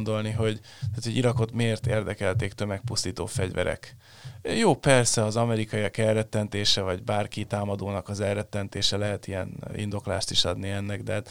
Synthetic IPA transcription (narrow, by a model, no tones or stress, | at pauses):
nd̪o̞lniɦo̞ɟ | t̪aːt̪hoɟiɾɒko̞t̪meːrt̪eːrd̪ɛkɛlt̪eːkt̪ømɛk̚pust̪iːt̪o̰ːfɛɟvɛ̰ɾɛ̰k | joːpɛrsɛɒzɒmɛɾikɒiɒkɛrɛt̪ːɛnt̪eːʃɛvɒɟbaːrkit̪aːmɒd̪oːnɒkɒzɛrɛt̪ːɛnt̪eːʃɛlɛɦɛt̪ijɛ̰nḭnd̪o̞kla̰ːʃt̪iʃɒd̪niɛnːɛɡd̪ɛːt̪